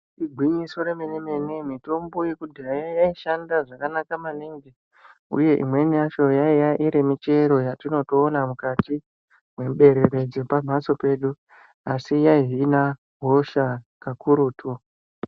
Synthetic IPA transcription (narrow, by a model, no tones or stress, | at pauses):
iɡʱwiɲiso̞ɾemeneme̞nemito̞mbo̞jekudʱajjaiʃandaʐakanakamaniŋɡe | ṵje̞ʔḭmwe̞niaʃo̞jaijaʔiɾemit͡ʃe̞ɾo̞jatino̞toːnamukati | mwe̞mɓe̞ɾeɾe̞d͡zipam̤ʱaso̞pe̞ːɗu | asijaiɦina | ɦo̞ʃakakuɾuːtʰu